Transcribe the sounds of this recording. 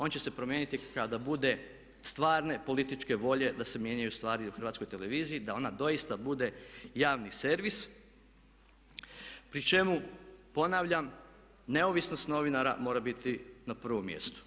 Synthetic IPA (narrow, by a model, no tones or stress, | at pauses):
o̞nt͡ɕe̞se̞pɾo̞mje̞nit̪ikad̪abud̪e̞ | st̪ʋaːɾne̞po̞lit̪it͡ʃke̞ʋo̞ʎe̞d̪ase̞mje̞ɲajust̪ʋaːɾiuxr̩ʋaːt̪sko̞jt̪e̞le̞ʋiːzijːd̪ao̞nad̪o̞jist̪abud̪e̞jaːʋnise̞ɾʋis | pɾit͡ʃe̞mupo̞naʋʎam | ne̞oʋisno̞st̪no̞ʋinaɾa̰mo̞ːɾabit̪inapr̩ʋo̞mːje̞̰st̪u̥